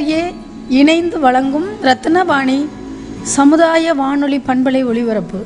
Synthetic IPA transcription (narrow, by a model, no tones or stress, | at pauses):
jeː | ɪnɐɪnd̪ɯʋɐɭɐŋɡɯmɾɐt̪ːɯnɐbaːɳi | sɐmɯðaːjɐʋaːɳɔɭipɐɳbɐɭɐɪɔɭɪʋɐɾɐpːɯ